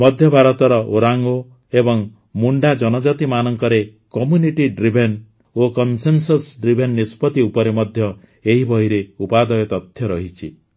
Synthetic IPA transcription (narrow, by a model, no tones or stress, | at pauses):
mɔd̪ʱjɔbʱaɾɔt̪ɔɾɔʔoɾaŋɡo | ebɔŋ | muɳɖad͡ʒɔnɔd͡ʒat̪imanɔŋkɔɾekɔmjuniʈiɖɾibʱen | okɔnsensɔsɖɾibʱenːispɔt̪iupɔɾemɔd̪ʱjɔ | eɦibʱɔiɾeupad̪ɔjɔt̪ɔt̪ʰjɔɾɔɦit͡ʃʰḭ